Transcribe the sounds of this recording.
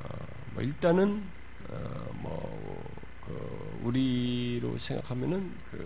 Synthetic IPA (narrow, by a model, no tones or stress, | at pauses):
mʌilt͈anɯn | ʌ | mʌ | kɯ | uɾiɾosʰeŋɡa̰kʰamjʌnɯn | kɯ